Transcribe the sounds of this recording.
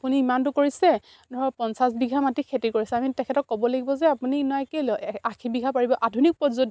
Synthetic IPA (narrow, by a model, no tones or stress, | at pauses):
apuniːmantʊkoɹisɛ | dʱɔɹɔpɔnsasbiɡʱamatikʰetikoɹisɛamitɛkʰɛtɔkːɔbɔleɡibɔzɛapuninɔɛkelɔakʰibiɡʱapaɹibɔʔadʱunik̚pɔzod